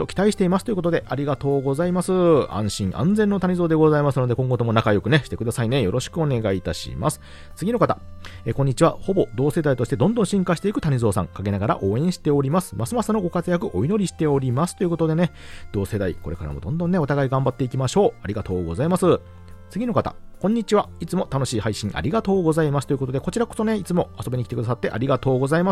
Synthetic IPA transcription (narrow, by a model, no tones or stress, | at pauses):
okʲi̥t̪aiɕi̥t̪e̞imasɨ̥t̪oɯ̟kot̪o̞d̪e̞ʔaɾʲiɡat̪o̞ːɡo̞zaimasɨã̰ɰ̃ɕĩŋʔã̰nd͡zenːo̞t̪aɲ̟izo̞ːd̪e̞ɡo̞zaimasɨno̞d̪e̞kõ̞ŋɡo̞t̪o̞monakajo̞kɯ̟ne̞ɕi̥t̪e̞kɯ̟d̪asaine̞jo̞ɾʔo̞ɕi̥kɯ̟o̞ne̞ɡait̪aɕḭma̰sɨ̥ | t͡sɨɡʲino̞kat̪aekõ̞ɲ̟ːit͡ɕiβaho̞bo̞d̪o̞ːse̞d̪ait̪o̞ɕi̥t̪e̞d̪õ̞nd̪õɕĩŋkaɕi̥t̪e̞ikɯ̟t̪aɲ̟izo̞ːsã̰ŋkaɡe̞naɡaɾa̰ʔo̞ːẽ̞ɰ̃ɕi̥t̪e̞o̞ɾʲimasɨ̥masɨmasɨno̞ɡo̞kat͡sɨjakɯ̟ʔo̞ino̞ɾʲiɕi̥t̪e̞o̞ɾʲimasɨ̥t̪o̞iɯ̟ko̞t̪od̪e̞ne̞ | d̪̥o̞ːse̞d̪aḭko̞ɾe̞kaɾa̰mo̞d̪õ̞nd̪õ̞nːe̞o̞t̪aɡaiɡãmbat̪ːe̞ikʲimaɕo̞ːaɾʲiɡat̪o̞ːɡo̞zaimasɨ | t͡sɨɡʲino̞kat̪a̰kõ̞ɲ̟ːit͡ɕiβait͡sɨmo̞t̪ano̞ɕiːhaiɕĩɰʔa̰ɾʲiɡat̪o̞ːɡo̞zaimasɨ̥t̪o̞jɯ̟ko̞t̪o̞d̪e̞ko̞t͡ɕiɾako̞̥so̞ne̞it͡sɨmo̞aso̞bʲiɲikʲi̥t̪ekɯ̟d̪asat̪ːe̞ʔa̰ɾʲiɡat̪o̞ːɡo̞zaima